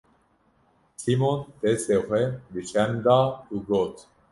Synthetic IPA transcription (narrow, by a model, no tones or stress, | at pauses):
simont̪esexʷɛb̪ɨt͡ʃʰɛnd̪aːuɡoːt̪